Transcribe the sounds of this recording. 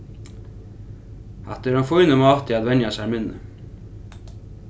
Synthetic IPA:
hɑt̪əɾhanfujnəmɑːt̪ʰɪad̪vɛnjasæjmɪnːə̰

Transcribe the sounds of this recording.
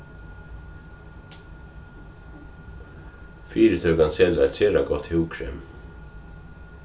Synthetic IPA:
fiːɾət̪ʰøːɡɑnsɛlɾæseːɾɑɡɔt̪hɛuːkʰɹḛm

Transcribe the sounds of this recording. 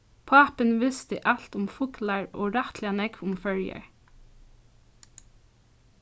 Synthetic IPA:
pʰɑːpənʋɪst̪əʔɑlt̪ʊmfʊklɑɹo̰ːɹɑt̪ʰlɪɑnɛkʊmfœljə̰ɹ

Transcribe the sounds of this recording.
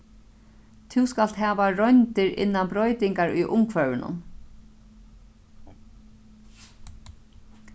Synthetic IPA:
t̪ʰɪwskal̥t̪ɦɛːʋaɾɔjnt̪ɪɾɪ̰nːanbɾɔjt̪ɪŋkaɾʊ̰jʔʊmkʰvœvɪnʊ̰n

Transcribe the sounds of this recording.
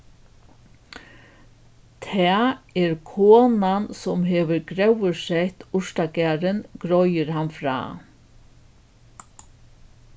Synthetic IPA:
t̪ʰɛːɛɾkʰoːnansʊmɦeːʋəɾɡɾɛwəɾsɛjht̪ʊʂt̪akæːɾɪnɡ̥ɾɔjɪɾhanfɾa̰ː

